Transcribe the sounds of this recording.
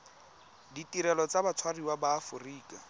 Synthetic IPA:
ditiɾɛlɔt͡sabat͡sʰwariwabaːfʊriːkʼa

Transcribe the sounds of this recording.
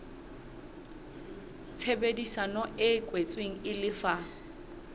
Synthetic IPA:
t͡sʰebedisanɔʔɪkʼwet͡sʼweŋ̩ɪlɪfa

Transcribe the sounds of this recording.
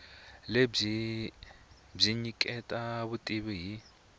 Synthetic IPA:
leb͡ʐi | b͡ʐiɲikʼɛtʼaβutʼiβiɦi

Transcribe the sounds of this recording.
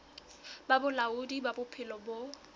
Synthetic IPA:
babʊlaʊdibabʊpʰɪlɔbo

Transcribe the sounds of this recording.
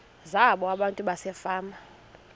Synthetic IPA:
zaɓɔaɓantʼuɓasɛfaːma

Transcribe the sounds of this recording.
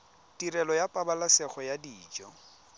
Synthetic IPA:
tʼirɛlɔjapʼabalasɛχɔjadiːd͡ʒɔ

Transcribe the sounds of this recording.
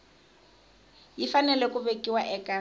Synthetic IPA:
jifanɛlɛkʼʊβekʼiwaʔɛːkʼa

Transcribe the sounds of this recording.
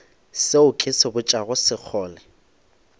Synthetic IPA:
seʊkʰʼɪsɪbʊt͡ʃʼaɣʊsɪk͡xʰɔːlɛ

